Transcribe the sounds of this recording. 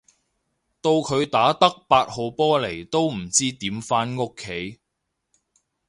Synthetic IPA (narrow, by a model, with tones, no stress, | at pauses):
t̪o˧wkʰɵ˨˧ɥt̪aː˨˥t̪ɐ˥k̚paː˧t̚ho˨wpɔː˥le˨˩jt̪o˥wm̩˨˩t͡siː˥t̪iː˨˥mfaː˥nŋʊ˥kʰːe˨˧˥j